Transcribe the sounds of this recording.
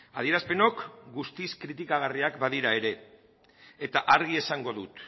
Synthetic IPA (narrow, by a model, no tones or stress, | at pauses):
að̞ie̞ɾaspe̞no̞kɡust̪iskɾit̪ikaɣ̞ariakbaðiɾae̞ɾe̞ː | t̪aʔaɾɣie̞saŋɡo̞ðut̪